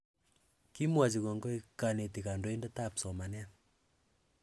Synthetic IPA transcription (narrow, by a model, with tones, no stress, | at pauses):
ki˦mwa˨t͡ʃi˨kɔ˨ŋɡɔ˦ikane˨ti˨ka˨ndo˦e˦ndɛtapsɔ˨ma˨nɛ˦n